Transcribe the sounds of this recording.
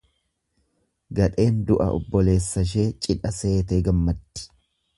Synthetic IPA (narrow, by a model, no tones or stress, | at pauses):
ɡɐᶑʼe̞ːnd̪ʊʔɐ̰ʔɔ̰bːɔle̞ːsːɐʃ̬e̞ːt͡ʃʼɪᶑɐse̞ːt̪eːɡɐmːɐt̪ːɪ̥